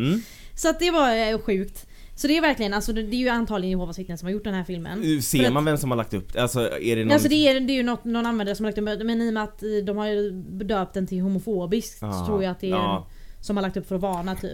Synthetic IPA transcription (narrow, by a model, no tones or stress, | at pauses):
sɔat̪̚d̪ɛvaɾɧʉ̟ːkt̪ | sɔd̪ɛːɾvæɾklɪɡənalsɔd̪ɛːɾjant̪ʰɑːlɪɡənɪhoːvasɪt̪ːənsɔmhaɾjʊʈːɖɛnɦæːɾfɪlmə̰nseːɾɾmanvɛmsɔmhaɾɭakt̪ɵpːalsɔɛɖɛals̬ɔd̪ɛːd̪ɛːɾjɵnɔt̪ːnɔnanvɛnd̪əɾsɔmhalakt̪ɵpːmɛniːɔmɛat̪ːd̪ɔmhaɾjbɛd̪øːp̚t̪d̪ɛnt̪ʰɪlɦʊmʊfoːbɪsk̚t̪sɔ̥t̪ʰɾuːɾjaat̪̚d̪ɛ | sɔmhaɾlakt̪ɵpfœɾɔvɑːnat̪ʰy̰ːpː